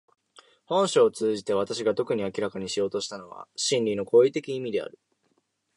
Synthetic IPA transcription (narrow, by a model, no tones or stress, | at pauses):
hõ̞ɰ̃ɕoːt͡sɨːʑit̪e̞β̞at̪aɕiɡat̪o̞kɯ̟ɲ̟iakʲiɾakaɲ̟iɕijo̞ːt̪o̞ɕi̥t̪ano̞βa̰ɕĩnʲɾʲino̞ko̞ːit̪e̞kʲiimʲid̪e̞a̰ɾɯ̟